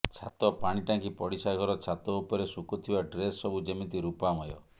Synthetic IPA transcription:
t͡ʃʰa̰t̪ɔpaɽ̃iʈaŋkipɔɽisaɡʱɔɾɔt͡ʃʰat̪ɔupɔɾesukut̪ʰibaɖɾesːɔbud͡ʒemint̪iɾupamɔjɔ

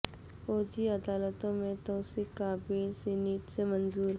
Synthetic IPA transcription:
foːd͡ʒiɐd̪aːlət̪õmẽt̪ɔːsikaːbilsɪniʈsemənzuːɾ

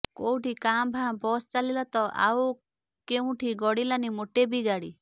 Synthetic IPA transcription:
kowʈikambʱabɔst͡ʃalilɔt̪ɔʔa̰w | keũʈʰiɡɔɽilanimoʈebiɡaɽi

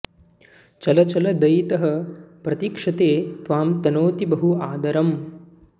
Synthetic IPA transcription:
t͡ʃɐlɐt͡ʃɐlɐd̪ɐjt̪ɐɦɐ̆pɾɐt̪iːkʂɐt̪eːt̪ʋaːmt̪ɐnoːt̪ibɐɦuaːd̪ɐɾɐm

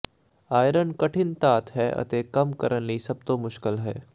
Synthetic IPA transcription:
aːjɾənkɐʈʰɪnt̪aːt̪ɦɛːʔɐ̰t̪ekɐmkɐɾənlisɐb̚t̪omʊʃkɪlɦɛː

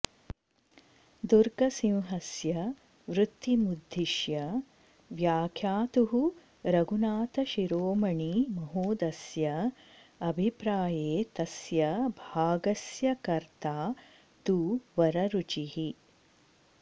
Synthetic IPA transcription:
d̪uɾɡɐsĩwɦɐsjɐ | ʋɾut̪ːimud̪ʱːiʃjɐ | ʋjaːkʰjaːt̪uɦu | ɾɐɡunaːt̪ɐʃiɾoːmɐɳimɐɦoːd̪ɐsjɐ | ɐbʱipɾaːjeːt̪ɐsjɐbʱaːɡɐsjɐkɐɾt̪aː | t̪uʋɐɾɐɾut͡ʃiɦi

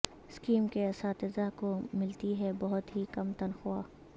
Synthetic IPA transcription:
ɪskiːmkeɐsaːt̪ɪzakomɪlt̪iɦɛbɐɦʊt̪ɦikɐmt̪ɐnxʊwaː

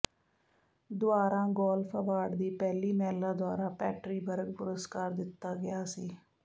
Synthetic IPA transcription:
d̪ʊaːɾãːɡɔːlfʰəʋaːɖd̪iːpɛːliːmɛːlãːd̪ʊaːɾãːpɛːʈɾiːbəɾəɡpʊɾəskaːɾd̪ɪt̪ːaːɡɪjaːsiː

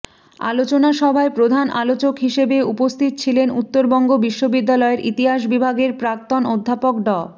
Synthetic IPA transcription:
a̰lot͡ɕonaʃɔbʱaepɾod̪ʱanʔa̰lot͡ɕokɦiʃebeupost̪ʰit̪t͡ɕʰilenut̪ːoɾbɔŋɡobiʃːobid̪ːalɔeɾʔit̪iɦaʃ̬bibʱaɡeɾpɾak̚t̪onod̪ʱːapok̚ɖɔ

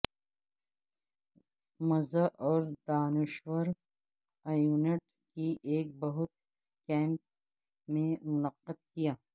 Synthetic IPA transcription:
mɐzaʔɔːɾd̪aːnɪʃwəɾ | ajuːneʈ | kiʔeːk̚bɐɦʊt̪̚ | kɛ̃ːmp̚ | mẽmʊnɐqːəd̪̚kijaː

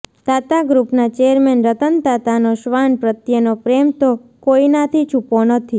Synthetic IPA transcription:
t̪at̪aɡɾupnat͡ʃɛjəɾmɛnɾət̪ənt̪at̪anoʃʋanpɾət̪jənopɾɛmt̪okoinat̪ʰit͡ʃʰuponət̪ʰi

